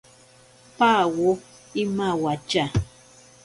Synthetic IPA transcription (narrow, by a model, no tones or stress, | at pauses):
pawʊ | imawat͡ʃa